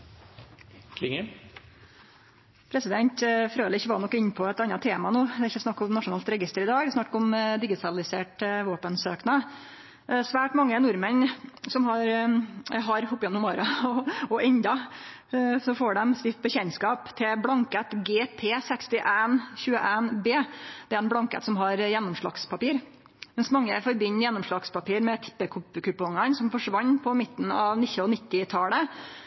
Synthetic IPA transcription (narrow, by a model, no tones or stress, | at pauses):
kʰlɪŋə | pʰɾɛsɪd̪ɛnt̪fɾøːd̪əɪçːəʋɑnɔkːɪnːpʰɔɛt̪ɑnːɑt̪ʰeːmɑnuːd̪ɛɾɪçːəsnɑkːɔmnɑʂʊnɑːlt̪ɾɛɡɪst̪əɾɪd̪ɑːɡd̪ɛsnɑkːɔmd̪ɪɡɪt̪ʰɑlɪseːʈʋoːpənsøːknɑ | sʋæːʈmɑŋːənʊɾmənsɔmɦɑɾ | ɦɑɾhʊpːɪjɛnːʊmɔːɾɑɔɔʔɛnd̪ɑ | sɔfoːɖɛmst̪ɪft̪̚bəçɛnskɑːpt̪ʰɪlblɑŋkət̪ɡeːpʰeːsɛkst̪ɪʔænçʉːəʔænbeːd̪̥ɛɾɛnblɑŋkə̰t̪sɔmɦɑɾjɛnːɔmʂɭɑ̰kspʰɑpiːɾ | mɛnsmɑŋːəfɔɾbʏɲːɾjɛnːɔmʂɭɑɡspʰɑpiːɾmɛt̪ʰɪ̥pːəkʰʊpːkʉpːɔŋɑnsɔmfɔʂʋɑɲːpʰɔmɪt̪ːən̩ɑ̰ʋnɪçɔnɪt̪ːɪt̪ʰɑlə